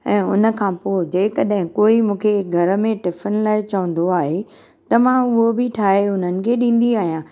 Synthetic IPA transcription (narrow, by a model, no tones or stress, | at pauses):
ɛ̃ːʊnə̆kʰãːpoːd͡ʑeːkɐɗɦɪ̃koːimũːkʰeɡʱɐɾə̆mẽʈɪfʰənlaːɪt͡ɕɐʋə̃nd̪oaːɦe | t̪ɐmãʊɦobɪʈʰaːɦeʊn̤ənɪ̆kʰeːɗĩːn̆d̪iaːɦijãː